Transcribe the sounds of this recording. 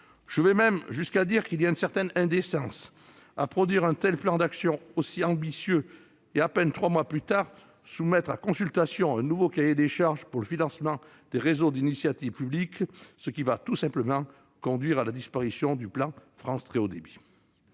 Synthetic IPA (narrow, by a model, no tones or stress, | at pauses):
ʒ̥əvɛmɛmʒyskad̪iʁkiliaynsɛʁt̪ɛnɛ̃d̪esɑ̃s | apχɔd̪ɥiʁɛ̃t̪ɛlplɑ̃d̪aksjɔ̃osiɑ̃bisjø | eapɛnt̪χwamwaplyt̪aːʁ | sumɛt̪χakɔ̃sylt̪asjɔ̃ɛ̃nuvokajed̪eʃaʁʒpuʁləfinɑ̃smɑ̃ | d̪̥eʁezod̪inisjat̪ivpybliksəkʲivat̪usɛ̃pləmɑ̃ | kɔ̃d̪ɥiʁalad̪ispaʁisjɔ̃d̪yplɑ̃fχɑ̃st̪χeod̪ebi